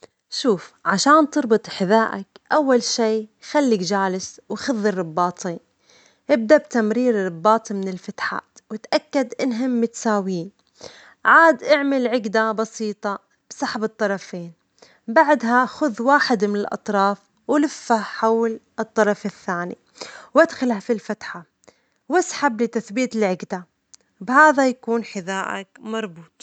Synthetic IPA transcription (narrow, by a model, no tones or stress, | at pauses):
ʃuːfʕaʃaːnt̪ɨɾˤbɨt̪ˤħɪðaːʔa̰kʔawːalʃiːxalːɪkd͡ʒaːlɪswxɪðːɨrːɑbːɑːt̪ˤʰiːn | ʔɪb̚d̪abt̪amɾiːɾɾˤɑbːɑːt̪ˤmɪnɪlfat̪ħa̰ːt̪wɪt̪ʔakːad̪ʔɪnɦɪmːɪt̪saːwiːn | ʕaːd̪ʔaʕmɪlʕɪɡd̪abɑsiːt̪ˤɑ | b̥sˤɑħbɨt̪ˤːɑɾˤɑfeːn | baʕd̪ɦaxʊðwaːħɪd̪mɪnɪlʔɑ̰t̪ˤɾˤɑːf | wlɪfːaħawlʔɨt̪ˤːɑɾˤɑfɪθːaːnḭ | wʔad̪xalhafilfat̪ħa | wasħablɪt̪aθbiːt̪ɪlʕɪɡd̪a | bhaːðajakuːnħɪðaːʔa̰kmɑɾˤbuːt̪ˤ